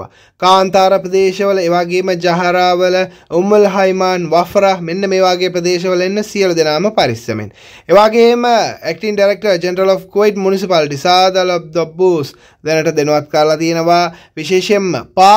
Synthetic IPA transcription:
a̰ | kaːnt̪aːɾəpɾəd̪eːʃɐʋələeːʋaːɡeːməd͡ʒaɦɐɾaːʋələumulɦajmaːnʋafɾahmenːəmeːʋaːɡeːpɾəd̪eːʃ̬ɐʋəlenːəsiəlud̪enaːməpaɾisɐ̰mḛn | eʋaːɡeːməæk̚ʈiŋɖajɾek̚ʈɐrd͡ʒenɾɐlofkuʋojʈmunisipaliʈ̬isaːd̪alob̚d̪obːuːs | d̪enəʈəd̪enuʋat̪kɐɾlat̪ijenəʋaːʋiʃeːʃemːə̰paː

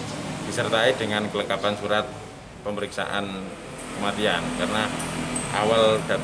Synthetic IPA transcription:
d̥isərt̪aidəŋankələŋkapansuɾat̪̚ | pəməɾiksa̰ʔa̰n | kəmat̪iankarnaʔa̰wald̥at̪

